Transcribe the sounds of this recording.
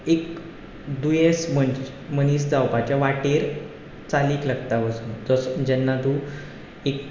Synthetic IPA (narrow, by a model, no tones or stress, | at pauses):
ek | d̪ujesməɳ | məniːs̬d͡zawpat͡ɕjaʋaʈeɾ | t͡saliːklaɡt̪aʋəsuːnd͡zɔsd͡ʑɛnːat̪u | ek̚